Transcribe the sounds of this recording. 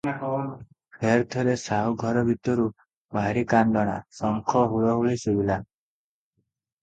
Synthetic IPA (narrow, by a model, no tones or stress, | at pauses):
pʰeɾt̪ʰɔɾesaɦuɡʱɔɾɔbʱit̪ɔɾu | bʱaɾikand̪ɔɽ̃a̰sɔŋkʰɔɦuɭɔɦuɭisubila